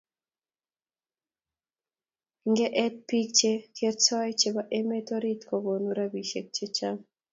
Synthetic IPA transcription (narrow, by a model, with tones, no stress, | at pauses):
ŋɡɛ˦ʔɛ˦t̪̚pi˦k̚t͡ʃe˦ke˦tt͡ʃɔ˦jt͡ʃebaʔe˦me˦t̪oɾit̪kobo˨nuɾabiʃe˨k̚t͡ʃe˦t͡ʃam